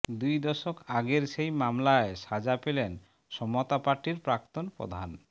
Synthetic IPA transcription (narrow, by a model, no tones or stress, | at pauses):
d̪ujd̪ɔʃokaɡeɾʃejmamlaeʃad͡ʑapelen | ʃɔmot̪apaɾʈiɾpɾak̚t̪onpɾɔ̰d̪ʱan